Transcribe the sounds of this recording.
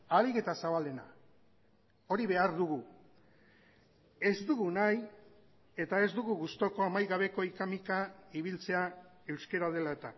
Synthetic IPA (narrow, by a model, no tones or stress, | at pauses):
aliɣe̞t̪asaβald̪ena̰ | o̞ɾiβe̞aɾðuɣ̞u | e̞zd̪uɣunaj | e̞t̪ae̞zd̪uɣuɣust̪o̞ko̞amajɣaβ̞e̞ko̞ikamikaiβ̞ilt͡se̞a | e̞wske̞ɾað̞e̞lae̞t̪a